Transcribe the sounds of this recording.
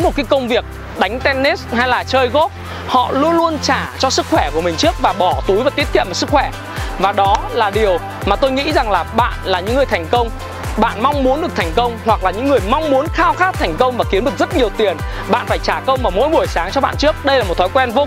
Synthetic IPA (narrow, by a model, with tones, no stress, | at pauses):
mo˨˩t̚kaː˨˦jkə˧wŋ͡mvi˨˩ək̚ | ɗa˨˦ŋ̟t̪ɛ˧nːe˦˥sha˧jlaː˨˩t͡ɕəː˧jɣo˦˥p̚ | hɔ̰˧˨lu˧ənlu˧ənt͡ɕaː˧˩t͡ɕɔ˧sɨ˦˥k̚xwɛ˧˩ku˧˩əmï˨˩ŋ̟t͡ɕɨ˦˥ək̚vaː˨˩ɓɔ˧˩t̪u˨˦jvaː˨˩t̪i˦˥ət̪ʰḭ˧˨maː˨˩sɨ˦˥k̚xwɛ˧˩ | vaː˨˩ɗɔ˨˦laː˨˩ɗi˨˩əw | maː˨˩t̪o˧jŋḭ˧˥za˨˩ŋlaː˨˩ɓa̰ː˧˨nlaː˨˩ɲɨ̰˧˥ŋːɨ˨˩ət̪ʰa˨˩jŋ̟kə˧wŋ͡m | ɓa̰ː˧˨nma˧wŋ͡mmu˨˦nɗɨ˨˩ək̚t̪ʰjŋ̟kə˧wŋ͡mhwa˨˩k̚laː˨˩ɲɨ̰˧˥ŋːɨ˨˩əjma˧wŋ͡mmu˨˦ənxaː˧wxaː˦˥t̚t̪ʰa˨˩jŋ̟kə˧wŋ͡mvaː˨˩ki˨˦ənɗɨ˨˩ək̚zə˦˥t̚ɲi˨˩əwt̪i˨˩ən | ɓa̰ː˧˨nfaː˧˩jt͡ɕaː˧˩kə˧wŋ͡mvaː˧˩mo̰˧˥jɓu˧˩əjsaː˨˦ŋt͡ɕɔ˧ɓa̰ː˧˨nt͡ɕɨ˦˥ək̚ɗə˧jlaː˨˩mo˨˩t̚t̪ʰɔ˨˦jkwɛ˧nvo˧